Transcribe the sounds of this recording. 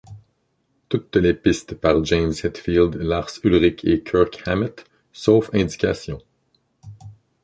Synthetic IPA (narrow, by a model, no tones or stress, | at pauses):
t̪ut̪lepɪst̪paʁd͡ʒɛmzhɛt̪fild̪laʁsylʁɪkʰekʲʰœʁkhamɪt̪ | sofɛ̃d̪i̥kʲasjɔ̃